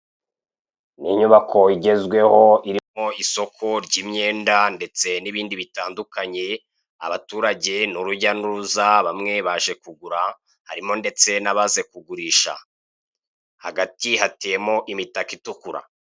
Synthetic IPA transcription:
niɲuβakʰo̞iɟe̞zɡwe̞ho̞iɾimo̞iso̞kʰo̞ɾɟimɲe̞ːndande̞t͡se̞niβiːndiβitaːndukaɲe̞ | aβatuːɾaɟe̞nuɾuɟanuuzaβamŋe̞βaːʒe̞kuɡuɾa | haɾimo̞nde̞t͡se̞naβaze̞kuɡuɾiːʃa̰ | haɡatihatejemo̞ʔimitakitukuɾa̰

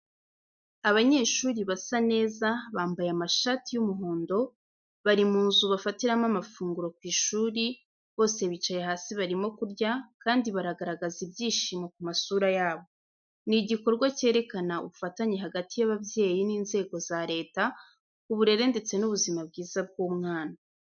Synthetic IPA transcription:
aβaɲe̞ːʃuːɾiβasane̞ːzaβaːmbajamaʃatijumuɦoːndo̞ | βaɾimuːnzuβafatiɾamamafuːŋɡuɾo̞k̚wiːʃuːɾi | βo̞ːse̞βit͡ʃajeɦaːsiβaɾimo̞kuɾɟakaːndiβaɾaɡaɾaɡazibjiːʃimakumasuːɾajaːβo̞ | niɟiko̞ɾɡwace̞ːɾe̞kanaṵβufataɲeɦaɡatijaβavje̞ːjiniːnze̞ːɡo̞zaɾe̞ːta | uβuɾe̞ɾe̞nde̞t͡se̞nuβuzimab̚ɡiːzab̚ɡuːmŋaːna

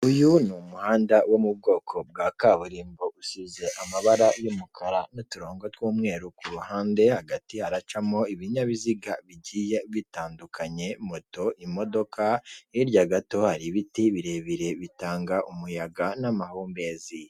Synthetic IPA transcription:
ujunumuhaːndawomub̚ɡo̞ːkʰo̞b̚ɡaːkaβuɾiːmboʔusize̞ʔamaβaɾajomukʰaɾanotuɾoːŋɡotwuːmŋe̞ːɾukuɾuhaːnde̞haɡatihaɾat͡ʃamoiβiɲaβiziɡaβiɟiːje̞βitaːndukʰaɲe̞moto̞ʔimo̞do̞kʰaiɾɟaɡato̞haɾiβitiβiɾe̞βiɾe̞βitaːŋɡaʔumujaɡanamahoːmbe̞zi

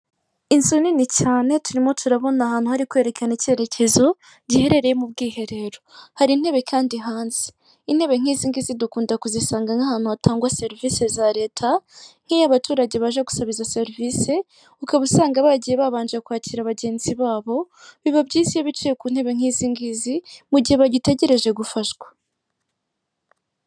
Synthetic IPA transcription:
insoninicaːne̞tuɾimo̞tʰuɾaβo̞nahaːn̥huhaɾikwe̞ːɾe̞kanece̞ːɾe̞cʰe̞zo̞ | ɟihe̞ɾe̞ɾe̞jemubɡiːɦe̞ɾe̞ɾo̞haɾin̥he̞βe̞kʰaːndiɦaːnzi̥ | in̥he̞βe̞ŋ̥iːziːŋɡizidukuːndakuzisaːŋɡaŋahaːn̥uatʰaːŋɡwase̞ɾivise̞zaɾe̞ːtʰaŋ̥hijaβatuːɾaɟeβaʒaɡu̥saβizase̞ɾiviːse̞ | ukaβusaːŋɡaβaɟijeβaβaːnd͡ʒekwaːciɾaβaɟe̞ːnziβaːβo̞ | βiβabɟiːsijaβit͡ʃejekuːn̥e̞βe̞ŋ̥iːziŋɡizimuɟiheβaɟite̞ɟe̞ɾe̞ʒe̞ɡufaʃɡwḁ

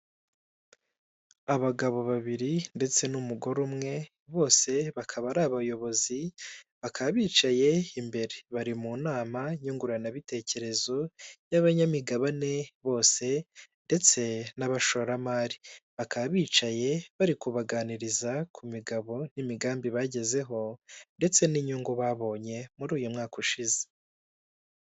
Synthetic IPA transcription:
aβaɡaβo̞βaβiɾinde̞t͡se̞numuɡo̞ɾumŋe̞ | βo̞ːse̞βakʰaβaɾaβajo̞βo̞ziβakʰaββiːt͡ʃaje̞imbe̞ɾe̞βaɾimuːnaːmaɲuŋɡuɾanaβite̞ce̞ɾe̞zo̞jaβaɲamiɡaβane̞βo̞ːse̞nde̞t͡se̞naβaʃo̞ɾamaɾiβakaβaβiːt͡ʃaje̞βaɾikuβaɡaːniɾizakʰumiɡaβo̞n̥imiɡaːmbiβaɟe̞ze̞ɦo̞nde̞t͡se̞niɲuːŋɡuβaβo̞ːɲe̞muɾuːjumŋaːkuʃize̥

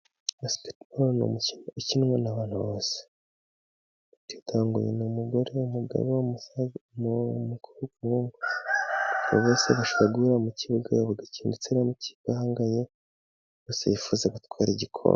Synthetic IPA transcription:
ospi̥tbolno̰ucinŋwenaβaːn̥huβoːse̥ | utitʰaːŋɡṵjḛnumuɡoɾeumuɡa̰βewommmukʰuɾukuŋɡa | aβo̰βoːseβaʃoβaɡuɾamuciβuɡajoβuɡaciːndit͡seɾamuci̥βɡ̥ahaːŋɡaɲe | ɡoːsḛjifuzaɡutkwaːɾiɟikʰo̰mo

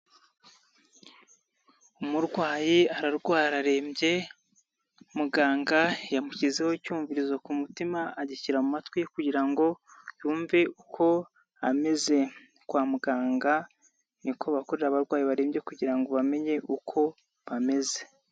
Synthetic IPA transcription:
umuɾɡwaːjiaɾaɾɡwaːɾaɾe̞ːmbje̞ | muɡaːŋɡajamucizehoicuːɱviɾizakumutimaːɟiciɾamumatwijekuɟiɾaŋɡo̞juːɱve̞ʔukʰo̞ | a̰me̞ze̞ | kwaːmuɡaːŋɡa | nikʰo̞βakoɾeɾaβaɾɡwaːjiβaɾe̞ːmbje̞kuɟiɾaŋɡo̞βame̞ɲe̞ʔukʰo̞ | βame̞ze̞

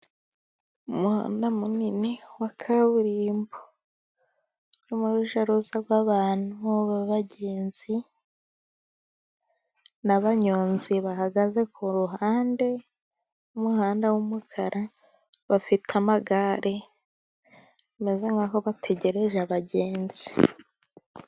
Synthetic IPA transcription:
umuha̰ːndamuniniwakʰaβuɾiːmbo | nomuɾuʒaɾuzaɡwaːβaːn̥uβaβaɟe̞ːnz̥i | naβaɲoːnziβahaɡaze̞kuɾuɦaːnde̞ | umuhaːndawumukʰaɾa | βafitʰamaɡaɾʔe | me̞ze̞ŋɡakoβatʰe̞ɟe̞ɾe̞ʒaβaɟeːnzi

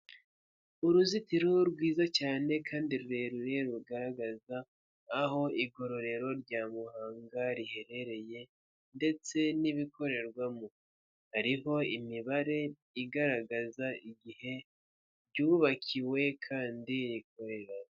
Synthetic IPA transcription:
uɾuzitiɾuɾɡwiːzacaːne̞kʰaːndiɾuɾe̞ɾuɾe̞ɾuɡaɾaɡazaː | ho̞iɡo̞ɾo̞ɾe̞ɾo̞ɾɟaːmuhaːŋɡaɾihe̞ɾe̞ɾe̞je̞ | nde̞t͡se̞niβikʰo̞ɾe̞ɾɡwamu | haɾiho̞imiβaɾe̞ | iɡaɾaɡazaʔiɡihe̞ | ɾɟuːβakʰiwe̞kʰaːndiɾik̚o̞ɾe̞ɾa

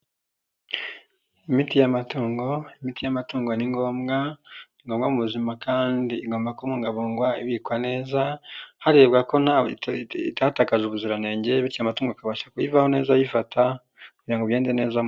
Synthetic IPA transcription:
imitijamatuːŋɡo̞imitijamatuːŋɡo̞niŋɡo̞ːmɡaiŋɡomɡamuβuzimakaːndiːɡoːmbakomuŋɡaβoːŋɡwaiβikwane̞ːzahaɾebɡako̞naitatakaʒuβuzuɾane̞ːɲɟeβicamatuːŋɡoakaβaʃḁkujivaho̞ne̞ːzajifatʰa | kuaŋɡoβjeːndene̞ːza

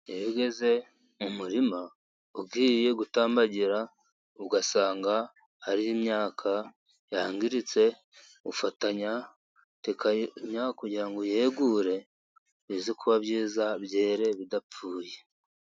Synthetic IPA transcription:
jeɾuɡe̞ze̞ | mumuɾima | ubɡiːje̞ɡutaːmbaɟiɾa | uɡasaːŋɡa | haɾiimɲaːkʰa | jaŋɡiɾit͡se̞ | ufataɲa | tekaɲakuɟiɾaŋɡojeːɡuɾe̞ | βiːzikʰuβaβjiːzaβje̞ːɾe̞βidap͡fuːje̞

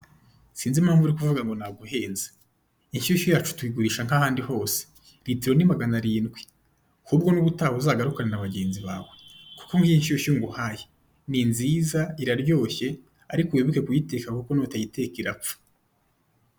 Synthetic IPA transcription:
siːnzimhaːɱvuɾikuvuɡaŋɡo̞naɡuɦe̞ːnze̥ | inʃioʃujaːt͡ʃu̥tuiɡuɾiːʃaŋ̥hahaːndiho̞ːse̥ | ɾitiɾo̞nimaɡanaɾiːnɡwe | huːbɡo̞nuβutaːwuzaɡaɾukanenaβaɟe̞ːnziβaːwe̞ku̥koŋɡiinʃioʃoŋɡuhaːje | ninzizaiɾaɾjo̞ːçe̞ | aɾikuweβuke̞kujite̞ːkakuko̞noːtajite̞kiɾap͡fu̥

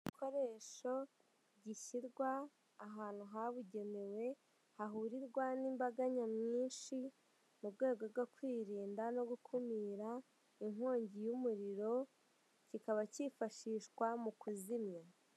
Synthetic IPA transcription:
ikʰo̞ɾe̞ːʃo̞ | ɟiçiɾɡwaː | ɦaːn̥huɦaβuɟe̞me̞we̞ | haɦuːɾiɾɡwaniːmbaɡaɲamɲiːnʃi | mubɡwe̞ːɡo̞bɡokwiːɾiːndano̞ɡukʰumiːɾa | iŋ̥o̞ːɲɟijumuɾiɾo̞ | cikaβacifaʃiːʃkwamukuzimɲa

